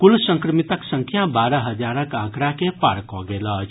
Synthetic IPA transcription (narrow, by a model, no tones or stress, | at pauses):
kulsəŋkɾəmit̪əksəŋkʰjabaɾəɦəd͡ʒaɾəkãkɾakepaɾkɔɡelʌt͡ʃʰ